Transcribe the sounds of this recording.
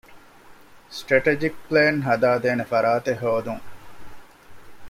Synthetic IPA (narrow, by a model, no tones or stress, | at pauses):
sʈɾeʈed͡ʒik̚pleːnɦɐd̪aːd̪eːnefɐɾaːt̪eɦoːd̪uŋ